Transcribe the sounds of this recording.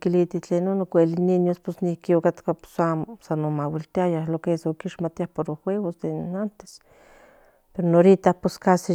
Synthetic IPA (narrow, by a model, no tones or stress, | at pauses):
kilit̪iht͡ɬeːnonokʷelininjosposnihkiokat̪kapo̥samosanomawilt̪iajahlokesookiʃmat̪iahpoɾoxweɣosd̪enant̪e̥s | peɾonoɾit̪ahposkasi